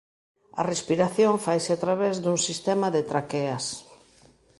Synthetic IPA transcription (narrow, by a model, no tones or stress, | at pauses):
ɐ̰respiɾaθjoɱfajsɪat̪ɾaβezd̪uŋsist̪ɛmaðet̪ɾakeas